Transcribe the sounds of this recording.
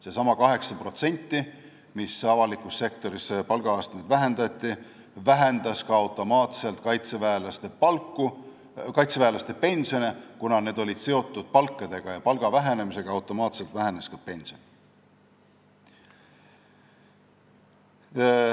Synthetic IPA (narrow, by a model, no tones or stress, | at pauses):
sesɑmɑkɑɦe̞ksɑpro̞t̪se̞nʲt̪ːˑi | misɑvɑlikːˑusːe̞kt̪o̞ɾispɑlɡ̥ɑɑːst̪ɑned̪væɦe̞nd̪ɑt̪ʲˑːi | væɦend̪ɑskɑɑwt̪ːˑo̞mɑːt̪se̞lt̪̚kɑjt̪sevæelɑst̪epɑlkːu | kɑjt̪sevæːlɑst̪e̞pe̞nʲsio̞nekunɑne̞ːd̪o̞lʲid̪̥se̞o̞t̪ːˑud̪̥̚pɑlkːɑd̪̥e̞ɡ̥ɑjɑpɑlɡ̥ɑvæɦe̞ne̞mise̞ɡ̥ɑɑwt̪o̞mɑːt̪se̞lt̪væɦeneskɑpe̞nsion